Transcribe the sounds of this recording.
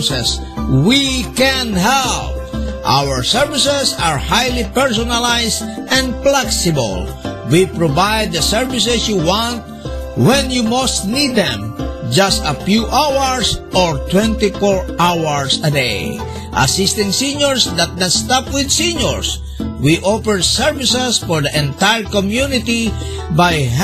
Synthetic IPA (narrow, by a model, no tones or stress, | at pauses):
sɛs | wikɛ̃nhɛlp̚ʔa̰wəɹsɛɹvisɛsaɹhajlipɛɹs̬ɔnalajsdɛ̃ndplɛksɪbə̰lwipɹovajd̪̚əsɛɹvisɛsjuwɑ̃nt̪̚ | wɛ̃njumost̪nid̪ɛ̰̃md͡ʒast̪ɐfjuʔawəɹsʔɔɹt̪wɛ̃nt̪ifɔɹawaɹsɐd̪ej | ʔa̰sɪst̪ɪ̃ŋsĩɲɔɹsd̪at̪̚nat̪st̪apwɪd̪sĩɲɔɹs | wiʔopɛɹsɛɹvɪsɛsfɔɹd̪əʔɛ̃nt̪ajɹkɔmjunɪt̪i | baj